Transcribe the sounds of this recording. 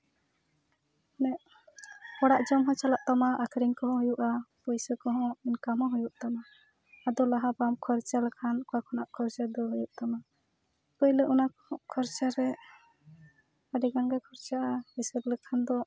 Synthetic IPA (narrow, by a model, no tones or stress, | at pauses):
nɛʔ | kɔɽaʔd͡ʒɔmɦɔ̃t͡ʃalaʔt̪amaʔakʰɾiŋkɔɦɔ̃ɦujuʔapɔjsɔkɔɦɔ̃inkamɔ̃ɦujuʔt̪amaː | d̪ɔlaɦabamkʰɔɾt͡ʃaləkʰankɔakʰɔnaʔkʰɔɾt͡ʃad̪ɔɦujuʔt̪ama | pəjləʔɔnakɔɔʔkʰɔɾt͡ʃaɾɛ | aɖiɡaŋɡakʰɔɾt͡ʃaʔaisəɾləkʰand̪ɔ